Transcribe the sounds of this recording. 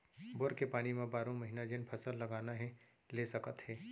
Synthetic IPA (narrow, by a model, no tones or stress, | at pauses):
boɾkepaːnimẽbaːɾõmɐɦinad͡ʒenpʰəsəlːɐɡaːnaɦɛ | lesɐkət̪ɦɛː